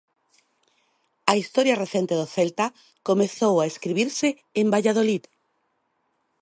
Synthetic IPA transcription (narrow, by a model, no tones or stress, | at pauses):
ɐist̪ɔɾjɐreθent̪eðʊθelt̪a | komeθowaeskɾiβiɾsɪː | mbaʎaðolið